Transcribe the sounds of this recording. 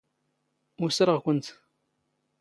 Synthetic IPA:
ʊsɾˤəʁkʷənt̪

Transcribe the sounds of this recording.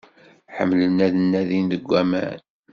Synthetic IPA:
ħə̰mːlənːæðənːæðinðəɡʷːæmæ̰n

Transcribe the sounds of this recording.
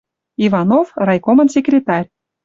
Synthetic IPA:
ivɑnofrɑjkomə̆nsʲekrʲet̪ɑrʲ

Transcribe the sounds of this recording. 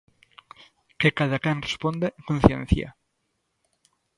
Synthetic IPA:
kekaðakanrespond̪eʔeŋkon̟θjḛ̃nθja̰

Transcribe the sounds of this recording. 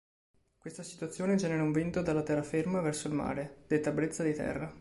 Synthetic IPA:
kwest̪asi̥t̪wat̪sːjoːned͡ʒɛːneɾauɱvint̪od̪alːat̪ɛrːafermavɛrsoilma̰ːɾed̪̥et̪ːabɾet̪sːad̪it̪ɛ̰rːa

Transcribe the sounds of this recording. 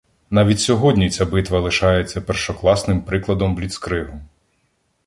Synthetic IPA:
nɑʋʲitʲsʲɔɦɔdʲnʲit͡sʲabɪt̪ʋɐlˠɪʃɑjet͡sʲːɐpɛrʃɔklˠɑsnɪmpɾɪklˠɐd̪ɔmblʲit̪skɾɪɦʊ

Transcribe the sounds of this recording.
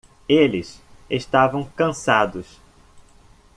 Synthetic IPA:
elɪseʃt̪avɐ̃w̃kɐ̃sad̪ʊs

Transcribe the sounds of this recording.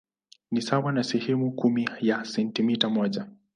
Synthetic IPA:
nisawanasɛhɛmukumijasɛntimitamɔʄa

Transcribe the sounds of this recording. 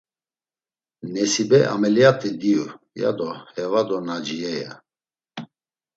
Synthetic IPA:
nɛsibɛa̰mɛljat̪ʼid̪iu | ja̰d̪ɔhɛvad̪ɔnad͡ʒiɛja̰

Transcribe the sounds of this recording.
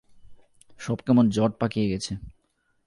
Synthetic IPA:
ʃɔbkɛmond͡ʑɔʈ̚pakijeɡɛt͡ɕʰe

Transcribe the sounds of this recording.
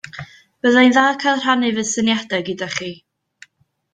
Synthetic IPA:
b̥əðajnðaːkʰalˠr̥anɨvɨðsənjadɛɡədaχiː

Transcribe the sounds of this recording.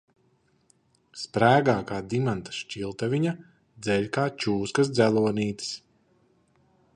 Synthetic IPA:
spɾæːɡaːkaːd̪imant̪ḁʃt͡ʃʲilˠt̪avʲiɲa | d̪zɛʎʲkaːt͡ʃuːskɐsd̪zʲælˠuɔniːt̪i̥s

